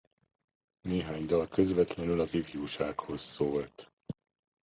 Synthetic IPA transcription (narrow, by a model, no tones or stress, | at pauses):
neːɦaːɲd̪ɒlkø̞zvɛt̪lɛnylɒzifjuːʃaːkho̞sːoːlt̪